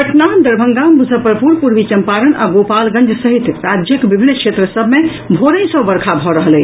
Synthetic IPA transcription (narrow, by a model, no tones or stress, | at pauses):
əʈnad̪əɾbʱə̃ŋɡamud͡ʒʱəpːɾəpuɾpuɾʋit͡ʃəmpaɾəna̰ɡopalɡə̃nd͡ʒsəɦit̪ɾad͡ʒjəkbibʱinːkʃʰet̪ɾəsəbʱme | bʱoɾə̃sə̃bəɾkʰabʱɔɾəɦəlɛ